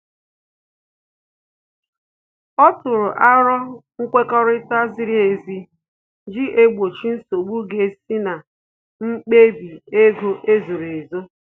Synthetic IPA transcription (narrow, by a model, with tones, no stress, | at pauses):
ɔ˦tʊ˨ɾʊ˨ʔa˦ɾɔ˦ŋ̩˦kʷe˦kɔ˦ɾɪ˦ta˦zɪ˦ɾi˦e˨zi˦ | d͡ʒi˦ʔe˦ɡ͡bo˨t͡ʃi˦n̩˦so˨ɡ͡bu˦ɡe˨si˦na˨ | ŋ͡m̩˦k͡pe˦bi˨e˦ɡo˦ʔe˦zo˨ɾe˨zo˦